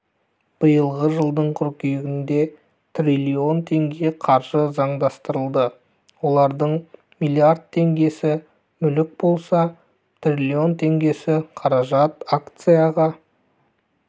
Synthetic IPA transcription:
b̥əjəlˠʁəʒəlˠd̪əɴqʰʊɾkʲijɪɡʲɪnd̪e̞ | t̪rʲilʲio̞nt̪ʰe̞ŋɡʲe̞qʰɑɾʒəzɑɴd̪ɑst̪əɾəlˠd̪ə | wo̞lˠɑɾd̪əɴ | mijlʲˠiard̪̚t̪ʰːe̞ŋɡʲe̞sɪ | mʏlɪk̚bo̞lˠsɑ | t̪rʲilʲio̞nt̪ʰe̞ŋɡʲe̞sɪqʰɑɾɑʒɑt̪akt̪sɨjaʁɑ

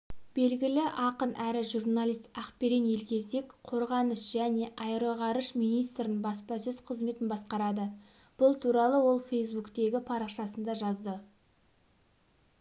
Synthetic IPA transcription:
b̥e̞lɡʲɪlɪʔɑqənʔæɾɪʒurnalˠijst̪ɑqpeɾenje̞lkʲʰe̞se̞kqʰo̞ɾʁɑnəsʒ̥æne̞ʔɑjɾoʁɑɾəʃmijnijst̪ɾɪnbɑspɑsɵz̥qʰəzme̞t̪ɪnbɑsqɑɾɑd̪ə | b̥ʊlˠt̪ʰuɾɑlˠəwo̞lˠfe̞jsbukt̪e̞ɡʲɪpʰɑɾɑqʃɑsənd̪ɑʒɑzd̪ə

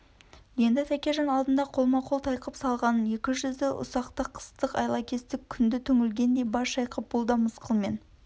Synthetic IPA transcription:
je̞nd̪ɪt̪ʰækʲeʒɑnɑlˠd̪ənd̪ɑqʰo̞lˠmɑqʰo̞lˠt̪ʰɑjqəpsɑlˠʁɑnənje̞kʲɪʒʏzd̪eʔʊ̰sɑqt̪əqʰːə̥st̪əqɑ̰jlˠɑkʲʰe̞st̪ɪkʲʰʏnd̪ɪt̪ʰɵŋɪlɡʲe̞nd̪e̞jbɑɾʃɑjqʰəp̚bʊlˠd̪ɑməsqəlˠme̞n

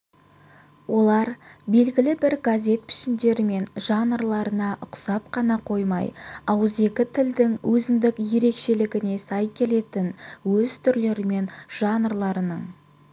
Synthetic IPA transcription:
wo̞lˠɑɾbe̞lɡʲɪlɪbɪɾɡazʲe̞t̪̚pʰɪ̥ʃɪnd̪e̞ɾɪme̞nʒ̥ɑnəɾlˠɑɾənɑʔʊqsɑpqʰɑnɑqʰo̞jmɑ̰jɑwəze̞kʲɪt̪ʰɪld̪ɪŋwʔɵzɪnd̪ɪkje̞ɾe̞kʃe̞lɪɡʲɪne̞sɑjkʲʰe̞le̞t̪ɪnwɵzt̪ʰʏɾle̞ɾɪme̞nʒ̥ɑnəɾlˠɑɾənəɴ

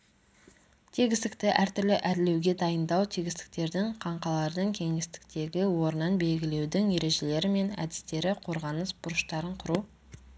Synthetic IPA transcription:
t̪ʰiɡʲɪst̪ɪkt̪ɪʔæɾt̪ʏɾlɪʔæd̪ɪle̞wɡʲe̞d̪ɑjənd̪ɑwt̪ʰiɡʲɪst̪ɪ̥k̚t̪e̞ɾd̪ɪɴqʰɑɴqɑlˠɑɾd̪əɴkʲʰe̞ŋest̪ɪ̥k̚t̪e̞ɡʲɪwo̞ɾənɑnbe̞lɡʲɪle̞wd̪ɪŋje̞ɾe̞ʒe̞le̞ɾɪme̞næ̰d̪ɪ̥st̪e̞ɾɪqʰo̞ɾʁɑnəsbʊɾʊʃt̪ɑɾəɴqʰʊɾu

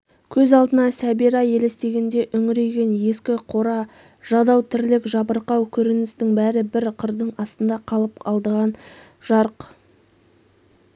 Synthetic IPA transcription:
kʲʰɵzɑlˠd̪ənɑsæbiɾɑje̞le̞st̪e̞ɡʲe̞nd̪e̞ʔʏŋɪɾe̞ɡʲe̞nje̞skʲɪqʰo̞ɾɑ | ʒ̥ɑd̪ɑwt̪ʰɪɾlɪkʒɑbəɾqɑwkʲʰɵɾɪnɪst̪ɪŋbæɾɪbɪɾqʰəɾd̪əɴɑst̪ənd̪ɑqʰɑlˠəpɑlˠd̪əʁɑn | ʒ̥ɑɾq

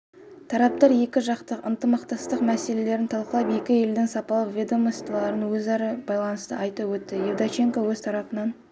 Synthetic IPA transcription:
t̪ʰɑɾɑp̚t̪ɑɾje̞kʲɪʒɑqt̪əqə̰nt̪əmɑqt̪ɑst̪əqmæse̞le̞le̞ɾɪnt̪ʰɑlˠqəlˠɑpje̞kʲɪe̞ld̪ɪŋsɑpɑlˠəqvʲed̪omost̪ɑlˠɑɾənwɵzɑɾɑbɑjlˠɑnəst̪əʔɑjt̪ɑwɵt̪ːɪjevd̪at͡ʃeŋkowɵzt̪ʰɑɾɑpənɑn

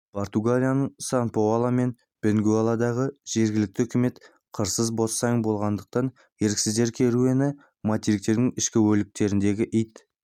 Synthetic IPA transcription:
pʰo̞ɾt̪uɡalʲijanəɴsɑnpoɑlˠɑme̞n | b̥eŋɡualˠɑd̪ɑʁəʒ̥e̞ɾɡʲɪlɪk̚t̪ɪhɵkʲɪme̞t̪ | qʰəɾsəzbo̞sːɑjnbo̞lˠʁɑnd̪əq̚t̪ɑn | je̞ɾkʲsɪzd̪e̞ɾkʲʰeɾue̞nɪ | mat̪eɾik̚t̪e̞ɾd̪ɪŋɪʃkʲɪwɵlɪk̚t̪e̞ɾɪnd̪e̞ɡʲɪʔijt̪

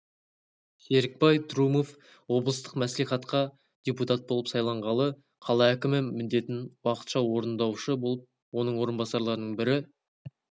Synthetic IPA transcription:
se̞ɾɪk̚pɑjt̪ɾumo̞f | wo̞blˠəst̪ə̥qmæsliχɑt̪qɑ | d̪̥ʲeput̪at̪̚bo̞lˠəpsɑjlˠɑɴʁɑlˠə | qʰɑlˠɑækʲɪmɪmɪnd̪e̞t̪ɪnwɑqə̥t̪ʃɑwo̞ɾənd̪ɑwʃəbo̞lˠəp̚ | wo̞nəɴwo̞ɾənbɑsɑɾlˠɑɾənəɴbɪɾɪ

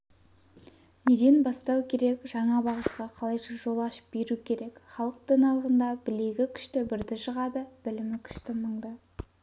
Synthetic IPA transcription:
ne̞d̪e̞nbɑst̪ɑwkʲʰe̞ɾe̞kʒ̥ɑɴɑbɑʁət̪̚qɑqʰɑlˠɑjʃəʒo̞lˠɑʃə̥p̚be̞ɾukʲʰe̞ɾe̞kχɑlˠəq̚t̪ənɑlˠəʁənd̪ɑb̥ɪle̞ɡʲɪkʲʰʏ̥ʃt̪ɪbɪɾd̪ɪʃəʁɑd̪əb̥ɪlɪmɪkʲʰʏ̥ʃt̪ɪməɴd̪ə

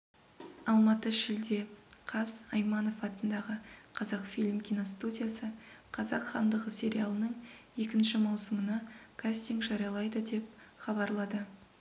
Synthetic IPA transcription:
ɑlˠmɑt̪əʒɪld̪e̞qʰɑzɑjmɑno̞fɑt̪ənd̪ɑʁəqʰɑzɑqfilʲmkʲʰino̞st̪ud̪ʲijasəqʰɑzɑqχɑnd̪əʁəsʲe̞ɾʲijalˠənəɴje̞kʲɪnʃɪmɑwsəmənɑkʰasʲt̪iŋɡʒɑɾijɑlˠɑjd̪əd̪e̞p̚χɑbɑɾlˠɑd̪ə

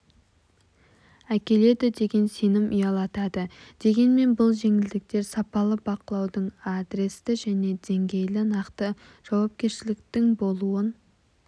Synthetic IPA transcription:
ækʲe̞le̞d̪ɪd̪e̞ɡʲe̞nse̞nɪmʔʏjɑlˠɑt̪ɑd̪əd̪̥e̞ɡʲe̞nme̞nbʊlˠʒe̞ŋɪld̪ɪk̚t̪e̞ɾsɑpɑlˠəbɑqəlˠɑwd̪əɴad̪ɾe̞st̪ɪʒæne̞d̪e̞ŋɡʲe̞jlɪnɑqt̪ə | ʒ̥ɑwɑp̚kʲe̞ɾʃɪlɪkt̪ɪŋbo̞lˠuən

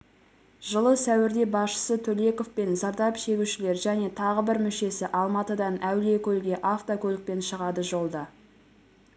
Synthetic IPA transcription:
ʒəlˠəsæwɪɾd̪e̞bɑsʃə̥sət̪ʰɵle̞ko̞fpe̞nzɑɾd̪ɑpʃe̞ɡʲuʃɪle̞ɾʒæne̞t̪ʰɑʁəbɪɾmʏʃe̞sɪʔɑlˠmɑt̪əd̪ɑnæwle̞kʲʰɵlɡʲe̞ʔaft̪okʲʰɵlɪk̚pe̞nʃəʁɑd̪əʒo̞lˠd̪ɑ

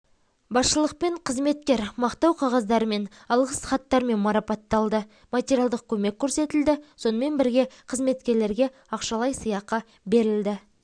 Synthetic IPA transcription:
bɑsʃəlˠəq̚pe̞ɴqʰəzme̞t̪̚kʲe̞ɾmɑqt̪ɑwqʰɑʁɑzd̪ɑɾəme̞n | ɑlˠʁəsχɑt̪ːɑɾme̞nmɑɾɑpɑt̪ːɑlˠd̪ə | mat̪ʲeɾijalˠd̪əq̚kʲʰɵme̞kʲʰːɵɾse̞t̪ɪld̪ɪso̞nəme̞nbɪɾɡʲe̞qʰəzme̞t̪̚kʲe̞ɾle̞ɾɡʲe̞ | ɑqʃɑlˠɑjsəjɑqːɑ | be̞ɾɪld̪ɪ

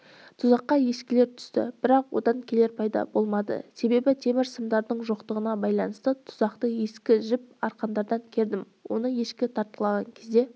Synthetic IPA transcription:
t̪ʰʊzɑqːɑje̞skʲɪleɾt̪ʰʏ̥st̪ɪ̰b̥ɪɾɑqwo̞̰d̪ɑŋkʲʰe̞le̞ɾpʰɑjd̪ɑ̰bo̞lˠmɑd̪ə̰se̞be̞bɪt̪ʰe̞mɪɾsəmd̪ɑɾd̪əɴʒo̞qt̪əʁənɑbɑjlˠɑnəst̪ət̪ʰʊ̥zɑqt̪əje̞skʲɪʒɪp̚ɑɾqɑnd̪ɑɾd̪ɑŋkʲʰe̞ɾd̪ɪm | wo̞̰nəje̞ʃkʲɪt̪ʰɑɾt̪̚qəlˠɑʁɑŋkʲʰe̞zd̪e̞

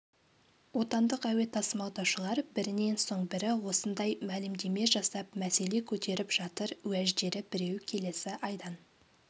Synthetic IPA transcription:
wo̞t̪ɑnd̪əqæwe̞t̪ʰɑsəmɑlˠd̪ɑwʃəlˠɑɾbɪɾɪne̞nso̞ɴbɪɾɪwo̞sənd̪ɑjmælɪmd̪e̞me̞ʒɑsɑp̚mæse̞le̞kʲʰɵt̪e̞ɾɪpʒ̥ɑt̪əɾwæʒd̪e̞ɾɪbɪɾe̞wkʲʰe̞le̞sɪʔɑjd̪ɑn

